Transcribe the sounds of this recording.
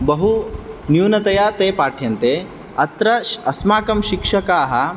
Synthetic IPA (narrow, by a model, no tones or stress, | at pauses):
bɐɦunjuːnɐt̪ɐjaːt̪eːpaːʈʰjɐnt̪eː | ɐt̪ɾɐʃɐsmaːkɐmʃikʂɐkaːɦɐ̆